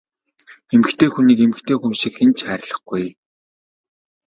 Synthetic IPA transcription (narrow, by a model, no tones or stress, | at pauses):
emɘ̆xt̪ʰeːxuniːkemɘ̆kt̪ʰeːxunʃĭkxent͡ɕχæːɾʲɪ̆ɮə̆χɡuj